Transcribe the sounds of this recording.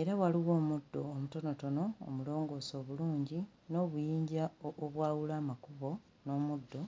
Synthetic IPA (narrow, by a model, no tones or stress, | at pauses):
e̞ɾawaliwo̞ːmudːo̞ːmuto̞no̞to̞no̞o̰mulo̞ːŋɡo̞ːso̞ːβuluːɲɟi | no̞ːβujiːɲɟaoβwaːwulaːmakuβo̞ | no̞ːmudːo̞